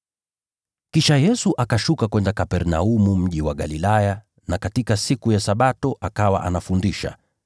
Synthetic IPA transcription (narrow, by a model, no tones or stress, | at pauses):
kiʃajɛsuʔakaʃukakwɛndakapɛɾna̰umum̩ʄiwaɠalilaja | nakatikasikujasaɓatɔʔakawa̰ʔanafundiʃa̰